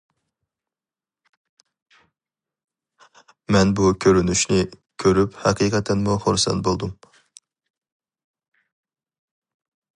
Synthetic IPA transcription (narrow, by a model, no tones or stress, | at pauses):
mɛnbukʲʰøɾynyʃnɪkʲʰøɾyphɑqʰiqʰɑt̪ʰɛnmuχoɾsɑ̰n̚bolˠd̪um